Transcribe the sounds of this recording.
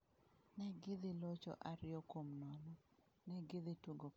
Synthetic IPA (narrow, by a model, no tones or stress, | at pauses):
nɛɡɪðilot͡ʃɔ̰ʔaɾɪɔkomnɔnɔ | nɛɡɪd̪ituɡo